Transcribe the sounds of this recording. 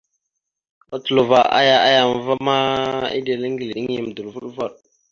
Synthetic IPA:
a˨tu˨lo˨va˨ʔa̰˦ja˦a˦ja˨m˨va˦ma˦ḭ˦de˨lə˦ŋɡi˨li˨ɗi˦ŋji˨m˨du˨lvu˦ɗva˦˨ɗ

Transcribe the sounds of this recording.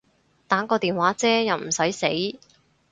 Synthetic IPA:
t̪aː˨˥ŋkɔː˧t̪iː˨nwaː˨˥t͡sɛː˥jɐ˨wm̩˨˩sɐ˨˥jse˨˥j

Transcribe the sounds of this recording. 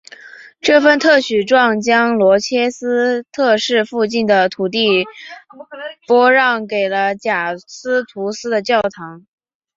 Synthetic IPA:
ʈ͡ʂɤ˥˩fə˥˧nt̪ʰɤ˥˩ɕy˨˩ʈ͡ʂwɑ˥˩ŋt͡ɕjɑ˥ŋlwɔ˧˥t͡ɕʰjɛ˥sɹ̩˥t̪ʰɤ˥˧ʂɻ̩˥˧fu˥˧t͡ɕi˥˩nd̪ə˩t̪ʰu˨˩t̪̬i˥˩ | pwɔ˥ɻɑ˥˩ŋke˨˩ɪlə˦t͡ɕja˨˩sɹ̩˥t̪ʰu˧˥sɹ̩˥d̪ə˨t͡ɕjɑ˥˩ʊt̪ʰɑ˧˥ŋ

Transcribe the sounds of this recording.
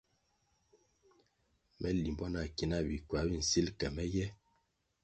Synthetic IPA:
mʔɛ˦li˨mbɔ˦na˨ki˨na˦˨bi˨kwa˨˦bi˦n̩˨si˦lkɛ˨mɛ˦jɛ˦

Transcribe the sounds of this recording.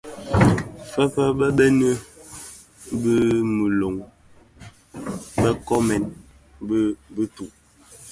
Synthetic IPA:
fə˦pə˦bə˦bɛ˦nə˦ | bə˦mə˨lo˨ŋ | bə˦kɔ˦mɛ˨n | bə˦bə˦tu˨ʔ

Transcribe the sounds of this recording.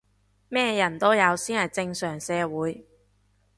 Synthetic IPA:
mɛː˥jɐ˨˩nt̪o˥wjɐ˨˧wsiː˥nhɐ˨˩jt͡sɪ˧ŋsœː˨˩ŋsɛː˨˧wuː˨˥j

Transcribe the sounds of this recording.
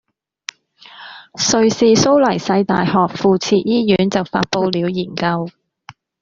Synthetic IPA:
sɵ˨˧ɥsiː˨so˥wlɐ˨˩jsɐ˧jt̪a̰ː˨jhɔː˨k̚fuː˨t͡sʰiː˧t̚jiː˥jyː˨˥nt͡sɐ˨wfaː˧t̚po˧wliː˨˧˥wjiː˨˩nkɐ˧w

